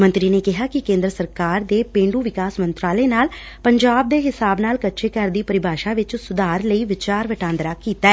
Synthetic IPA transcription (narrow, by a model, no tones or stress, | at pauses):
mə̃nt̪ɾiːneːkɪɦaːkɪkẽːnd̪ɾəsəɾkaːɾd̪eːpẽːɳɖuːʋɪkaːsmənt̪ɾaːleːnaːl | pəɲd͡ʒaːb̚d̪eːɦɪsaːbnaːlkətːʃʰeːkəɾd̪iːpəɾɪbʱaːʃaːʋɪt͡ʃsʊd̪aːɾləiːʋɪt͡ʃaːɾʋəʈãːnd̪ɾaːkiːt̪aːɛː